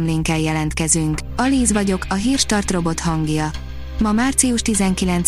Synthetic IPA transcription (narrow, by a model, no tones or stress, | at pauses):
mleːŋkɛljɛlɛnt̪kɛzyŋk | ɒliːzʋɒɟo̞kʰɒɦiːrʃt̪ɒrt̪ro̞bo̞t̪hɒŋɡjɒ | mɒmaːrt̪siuʃt̪izɛŋkilɛnt